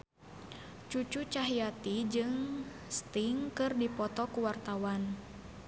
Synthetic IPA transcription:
t͡ʃut͡ʃut͡ʃaɦijat̪id͡ʒɨŋ | st̪iŋkɨrdipɔt̪ɔkuwart̪awan

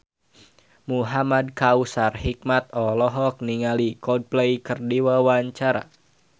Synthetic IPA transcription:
muɦamad̚kausarhik̚mat̪̚ɔlɔɦɔk̚niŋalikɔd̚plɛjkərdiwawaɲt͡ʃaɾa̰

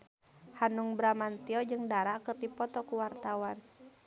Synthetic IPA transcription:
hanuŋbɾamant̪iɔd͡ʒɨŋdaɾakɨrdipɔt̪ɔkuwart̪awan

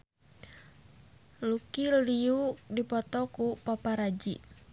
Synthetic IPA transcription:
lukiliudipɔt̪ɔkupapaɾad͡ʒḭ

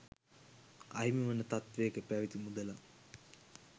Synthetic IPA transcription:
ɐ̰jmiʋənət̪at̪ʋejːkəpæʋit̪imud̪əla

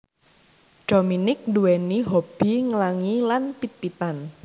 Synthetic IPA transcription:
ɖ̥ominɪk̚nduwɛniɦob̥i̤ŋəlaŋilanpit̪̚pit̪an

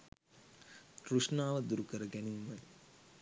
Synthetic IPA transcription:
kɾuʂnaːʋɐd̪uɾukɐɾɐɡɐniŋʋɐl

